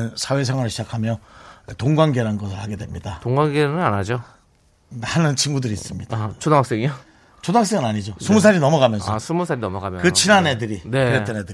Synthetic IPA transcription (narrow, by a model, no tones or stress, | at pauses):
ɯnsʰawe̞sʰeŋwaɾɯɭɕʰid͡ʑakʰamjʌtoŋɡwaŋɡe̞ɾanɡʌsʰɯɭhaɡe̞dwe̞mɲidatoŋɡwaŋɡenɯnanad͡ʑo | nanɯnt͡ɕʰinɡudɯɾiːs͈ɯmɲid̥at͡ɕodoŋaks͈eŋio | t͡ɕodoak̚s͈eŋɯnaɲid͡ʑosʰumus̬ʰaɾinʌmʌɡamjʌnsʰasʰumusʰaɾinʌmʌɡamjʌkɯt͡ɕʰinanedɯɾine̞ɾet͈enedɯi